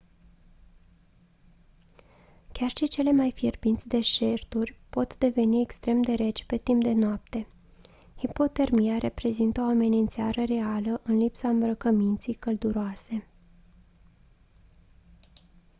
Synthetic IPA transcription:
kʲarʃit͡ʃe̞le̞majfirbint̪sʲd̪e̞ʃe̞rt̪urʲpo̞t̪d̪e̞ve̞nie̞kst̪ɾe̞md̪e̞ɾe̞d͡ʒpe̞t̪impd̪e̞noap̚t̪e̞ | hipo̞t̪e̞rmijaɾʔe̞pɾe̞zint̪əo̞ame̞nint̪seaɾəre̞aləʔɨnlipsaɨmbɾəkəmint̪sijkəld̪uɾoase̞

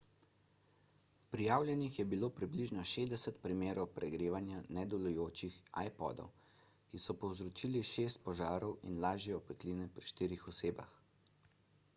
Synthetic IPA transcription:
pɾijaːwlʲjɛnixjɛbiloːpɾibliʒnɔʃeːzd̪ɛsɛt̪pɾimeːɾɔwpɾɛɡɾeːʋanjanɛd̪ɔlujoːt͡ʃixa̰jpɔ̰d̪ɔ̰w | kisɔpɔwzɾɔt͡ʃiːliʃeːst̪̚pɔʒaːɾɔwḭnlaːʒjɛɔpɛt̪linɛpɾiʃt̪iːɾixɔseːba̰x

